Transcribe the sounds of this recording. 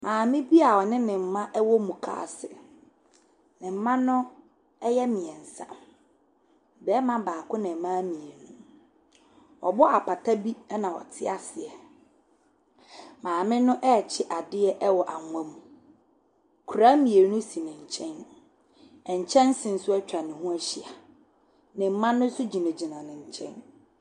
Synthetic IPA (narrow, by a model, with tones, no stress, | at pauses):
mãː˨mɪ̃˦bi˦a˨ɔ˨nɪ̃˦nɪ̃˨m̩˦mã˦ʔɛ˦wɔ˦mũ˨kʰa̰ː˨sɪ˨ | nɪ̃˨m̩˦mã˦nʊ̃˦ | ɛ˦jɛ˦mĩ˨ɛ˨n̩˨sã̰˦˨ | bɛ˨˦mã˦baː˨kʊ˦nɪ̃˨mã˦mĩ˨e˨nũ˦ | ɔ̰˨bɔ˦a˨pʰa˨tʰa˦bi˦ɛ˦nã˨wɔ̰˨tʰɪ˦a˨sɪ˨ɛ˨ | mãː˨mɪ̃˦nʊ̃˦ʔɛ˦˨t͡ɕʰɪ˦ʔa˨dɪ˦ɛ˦ʔɛ˦wɔ˨ʔa˨ŋʷã˦mũ˨ | kʰu˨ɾa˦mĩ˨e˨ɾnũ˦si˨nɪ̃˨ɲ̩˨t͡ɕʰɛ̃˦n | ɛ˨ɲ̩˨t͡ɕʰɛ̃˦n˦sɪ̃˨n̩˨sʊ˦ɛ˦t͡ɕᶣa˨nɪ̃˨hũ˦æ˦ɕi˦˨a˨ | nɪ̃˨m̩˦mã˦nʊ̃˦sʊ˦d͡ʑi˨nã˨d͡ʑi˨nã˨nɪ̃˨ɲ̩˨t͡ɕʰɛ̰̃˦n